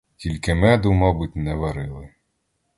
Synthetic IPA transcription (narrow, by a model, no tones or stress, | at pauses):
tʲilʲkɪmɛd̪ʊmɔbʊtʲnɛʋɐɾɪlˠɪ